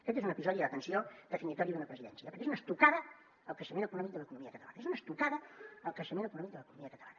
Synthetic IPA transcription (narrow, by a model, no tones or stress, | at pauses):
əkɛt̪̬ezunəpizɔðiðəət̪ənsiod̪əfinit̪ɔɾiðunəpɾəziðɛ̰nsiəpəɾkezunəst̪ukaðə | əlˠkɾəʃəmenəkunɔmik̚d̪ələkunumiəkət̪əlanəezunəst̪ukaðəəlˠkɾəʃəmenəkunɔmik̚d̪ələkunumiəkət̪əla̰nə